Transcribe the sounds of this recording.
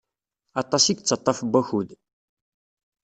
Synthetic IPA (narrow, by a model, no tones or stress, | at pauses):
ɑt̪ˤɑsiɡt͡sːɑt̪ˤːɑfbʷːæçuð